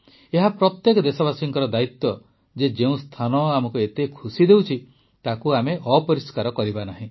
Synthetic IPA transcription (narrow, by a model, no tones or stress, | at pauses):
eɦapɾɔt̪jekɔd̪esɔbasiŋkɔɾɔd̪ait̪ːɔ | d͡ʒed͡ʒeũst̪ʰanɔamɔkuet̪ekʰusid̪ewt͡ʃʰi | t̪akuameʔɔpɔɾiskaɾɔkɔɾibanaɦĩ